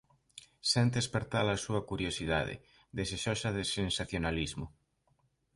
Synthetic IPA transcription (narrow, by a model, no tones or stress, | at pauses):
sent̪̬espeɾt̪alasuakuɾjosiða̰ðḛ | ðeseʃosaðesensaθjonalizmo